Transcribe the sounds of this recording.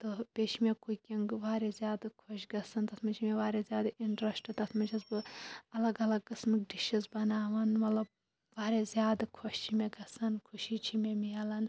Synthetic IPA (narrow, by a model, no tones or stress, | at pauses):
t̪ɨpʲeːt͡ʃʰimʲekukʲiŋɡʋaːɾezʲjaːd̪kʰoʃɡɐsɐnt̪ɐsmɐt͡ʃʰimeʋaːɾezʲjaːd̪iɳʈɾɐsʈɨt̪ɐsmɐt͡ʃʰɐzbɨɐlɐɡɐlɐɡ̚kɨsmɨkɖiʃizbɐnaːʋɐnmɐt̪lɐb̚ | ʋaːɾezʲjaːd̪ɨkʰoʃt͡ʃʰimeɡɐsɐnkʰuʃit͡ʃʰimemiɐlɐn